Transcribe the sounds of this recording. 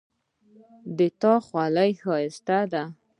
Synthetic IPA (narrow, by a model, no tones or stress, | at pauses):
d̪ət̪ɑxwalajxɑɪst̪ad̪a